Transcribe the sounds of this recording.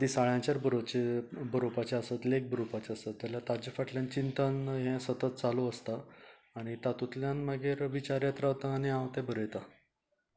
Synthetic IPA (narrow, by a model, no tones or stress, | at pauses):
d̪isaɭjãt͡ɕaɾbəɾot͡ɕebəɾopat͡ɕeəsət̪lek̚bəɾopat͡ɕeasət̪ːaljat̪ad͡ʑəfaʈljãnt͡ɕint̪anɦɛ̃sət̪ət̪̚t͡saluəst̪aː | ɽ̃it̪at̪ut̪ljãnmaɡʱeɾʋit͡ɕaɾjat̪ɾaʋt̪aːɽ̃iãwt̪ɛ̃bəɾəjt̪a